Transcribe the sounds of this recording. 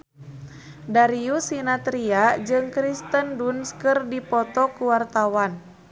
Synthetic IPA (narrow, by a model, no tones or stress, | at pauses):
daɾiusinat̪ɾiad͡ʒɨŋkɾist̪əndunskɨrdipɔt̪ɔkuwart̪awan